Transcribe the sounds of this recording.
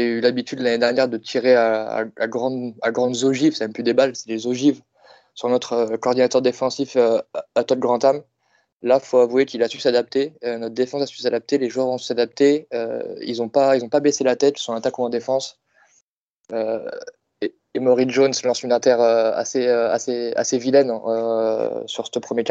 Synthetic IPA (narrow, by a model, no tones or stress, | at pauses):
ʒeyylabit̪ʰyd̪laned̪ɛʁnjɛʁd̪ət̪ʰiʁeaa̰a̰ɡʁɑ̃d̪a̰ɡʁɑ̃d̪zoʒivsɛmɛ̃mplyd̪ebalsɛ̥lezoʒiv | sɔ̃nɔt̪χəkɔːʁd̪inat̪œʁd̪efɑ̃siføat̪ɔlɡʁɑ̃t̪am | lafoavwekʲilasysad̪ap̚t̪eønɔt̪d̪efɑ̃sasysad̪ap̚t̪eleʒuœʁɔ̃sy̥sad̪ap̚t̪eø̰ḭlzɔ̃pailzɔ̃pabeselat̪ɛt̪isɔ̃at̪akũɑ̃d̪efɑ̃s | ø | eː | mɔʁiʒonslɑ̃synɛ̃t̪ɛʁøa̰seøa̰sea̰sevilɛnø | syʁsəpχəmjeka